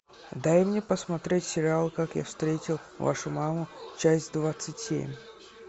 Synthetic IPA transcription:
d̪ajmnʲepəsmɐt̪ɾʲetʲsʲɪɾʲɪalˠkakja̰fst̪ɾʲetʲɪlˠ | va̰ʂʊmamʊt͡ɕæsʲtʲd̪vat̪sɨtʲsʲḛmʲ

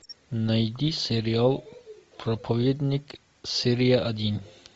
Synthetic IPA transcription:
nɐjd̪iseɾijaːlˠpɾɐpʰɐʋed̪nik | seɾijaʔɐd̪iːn

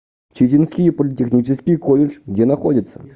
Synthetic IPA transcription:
t͡ɕitʲɪnskʲɪjpəlʲɪtʲɪxnʲit͡ɕɪskʲɪjkolʲɪʐɡdʲenɐxodʲɪt̪sːə̥

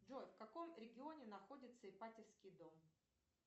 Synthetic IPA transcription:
ʐo̞jfkɐko̞mɾʲɪɡʲɪo̞nʲɪnɐxo̞dʲɪt̪səɪpatʲɪfskʲɪjd̪o̞m

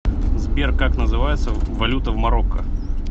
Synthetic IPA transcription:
zbʲerkːaknəzɨvajɪt̪səvɐlʲut̪əvmɐɾokːə

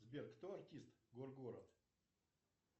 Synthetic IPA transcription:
zbʲerkt̪oɐrtʲist̪ɡorɡoɾɐ̰t̪

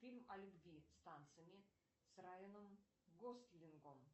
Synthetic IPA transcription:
fʲilʲmalʲubɡʲist̪ant̪sɨjme | srajonəm | ɡost̪lʲiŋɡom

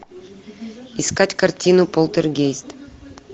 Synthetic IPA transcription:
iskatʲkɐrtʲinupolˠt̪ʲerɡʲejsʲt̪ʲ

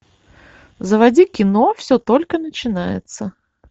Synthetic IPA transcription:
zəvɐdʲikʲɪnofsʲɵt̪o̞lʲkənət͡ɕɪnajɪ̰t̪sə

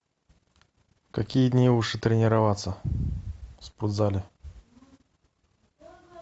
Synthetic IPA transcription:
kɐkʲijəd̪ʲnʲilˠuʂɨt̪ɾʲɪnʲɪɾavat̪sːə | spʊd̪zalʲɪ

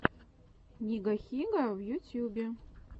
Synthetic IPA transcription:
nʲiɡaxʲiɡawjutʰjubʲe

